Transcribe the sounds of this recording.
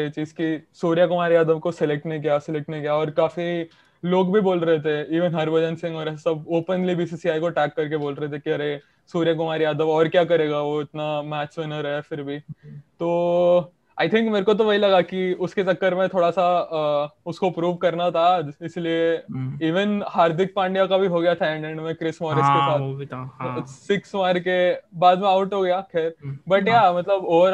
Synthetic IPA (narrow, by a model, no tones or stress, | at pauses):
et͡ʃiːzkisoːɾijakʊmaːɾejaːd̪əʋkosɪleːk̚ʈneĩk̬jaːsɪleːk̚ʈnekjaɔːɾkaːfi | loːɡbʱiboːlɾɐɦet̪ʰeiːʋə̃nɦɐɾbɐd͡ʒə̃nsɪ̃ŋɔːɾsɐboːpənlibiːsiːsiaːikoʈɛːkːɐɾkeboːlɾɐɦet̪ʰekiɐɾe | soːɾijak̬ʊmaːɾejaːd̪əʋɔːɾkjakɐɾeːɡaʋoɪt̪namæːt͡ʃʋɪnəɾɐɦefɪɾbʱit̪oː | aːɪt̪ʰɪ̃ŋkmeːɾekot̪̬oʋɐɦilɐɡakiʊsket͡ʃɐkːəɾmẽt̪ʰoːɽasa | ʊskoɐpɾuːʋkɐɾnat̪ʰaːd͡ʒɪslieiːʋənhaːɾd̪ɪk̚pãːɳɖijakabʱiɦoːɡɐjat̪ʰaɛ̃ɳɖɛ̃ɳɖmẽkɾɪsmɔːɾɪskesaːt̪ | sɪksʋaːɾkebaːd̪mẽaʊʈɦoːɡɐjakʰɛːɾbɐʈjamɐt̪ləboːɾ